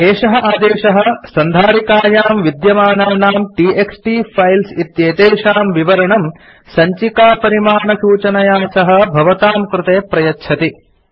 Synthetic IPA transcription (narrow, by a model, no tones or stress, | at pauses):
eːʂɐɦɐ̆ʔaːd̪eːʃɐɦɐ̆sɐnd̪ʱaːɾikaːjaːmʋid̪jɐmaːnaːnaːmʈiːeksʈiːpʰɐjlsit̪jeːt̪eːʂaːmʋiʋɐɾɐɳɐm | sɐɲt͡ʃikaːpɐɾimaːɳɐʃuːt͡ʃɐnɐjaːsɐɦɐ̆bʱɐʋɐt̪aːmkɾut̪eːpɾɐjɐtːʃʰɐt̪i